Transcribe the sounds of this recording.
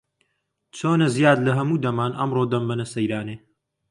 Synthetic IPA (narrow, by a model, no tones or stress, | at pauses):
t͡ʃʰoːnɐzijaːd̪lɐɦɐmuːd̪ɐmaːnʔɐmroːd̪ɐmbɐnɐsɐjɾaːneː